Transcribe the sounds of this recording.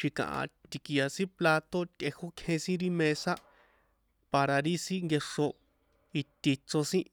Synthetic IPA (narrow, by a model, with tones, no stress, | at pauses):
ʃi˧kã̰˨ʔã̰˧t̪i˧ki˧ja˧sĩ˦pla˧t̪o˦t̪ʲʔe˧ho˦kʰẽ˧sĩ˦ɾi˦mẽ˧sa˦ | pa˧ɾa˧ɾi˦sĩ˦ŋɡe˧ʂo˧ | i˧t̪i˧t͡so˧sĩ˦